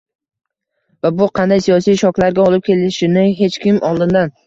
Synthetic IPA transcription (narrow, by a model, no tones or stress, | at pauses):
vabʊqʰɑnd̪ajsijɒsijʃɒkʲlaɾɡʲaɒlɪp̚kʲʰe̞lɪʃɪnɪɦe̞t͡ʃkʲʰɪmʔɒlˠd̪ɪnd̪an